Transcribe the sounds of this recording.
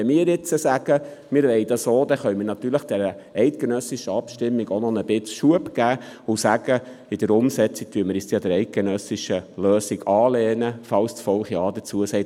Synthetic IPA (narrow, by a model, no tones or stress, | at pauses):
ɛmiːɾɪt͡səsæɡ̥ə | mɪːɾʋɛɪd̥̪ɑsoːd̥̪ɛχœɥmiːɾnɑt̪yːɾləχd̥ɛɾə | ɛɪt̪̚ɡ̥enœsiʃəɑpʃtɪmːiɡonɔnəb̥ɪt͡sʃuəpɡæːʊsæɡ̥ə | ɪd̥əɾʊmsɛt͡sik̚tyəməɾjɛstjɑdəɾɛɪt̪̚ɡ̥ɛnœsiʃəløːsiɡɑːlɛːnəfɑlstfɔlχjɑːd̥̪ət͡suəsɛɪt